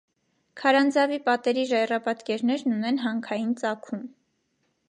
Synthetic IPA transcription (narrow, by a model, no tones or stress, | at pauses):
kʰɑɾɑnd͡zɑvipɑt̪ɛɾiʒɑjrɑpɑt̪kɛɾnɛɾnunɛnɦɑŋkʰɑjint͡sɑkʰum